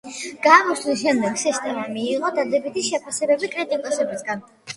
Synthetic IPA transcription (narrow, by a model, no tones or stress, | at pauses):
ɡ̥aːmɔsliʃɛmd̪ɛɡsist̪ʼɛmamiːʁʼɔd̪ad̪ɛbit̪ʰiʃɛpʰasɛbɛbikʼɾit̪ʼikʼɔsɛbisɡan